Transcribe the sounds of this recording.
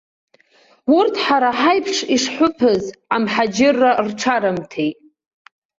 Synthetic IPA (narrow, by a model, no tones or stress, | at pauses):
urtʰħaɾaħajpʰʂiʂħʷʊpʰɨzamħad͡ʒɪrːarʈ͡ʂʰaɾɨmtʰejtʼ